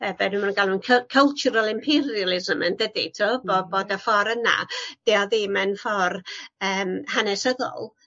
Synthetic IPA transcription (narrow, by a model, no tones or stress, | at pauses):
ɛbɛnɨmannɡalˠnunkʰəkʰəlˠt͡ʃʊɾalˠɪmpʰɛrjalˠɪzməndədḭtʰoboboːdafɔɾəna̰d̥ɛɔðimɛnfɔrəːmhanɛsəðɔ̰lˠ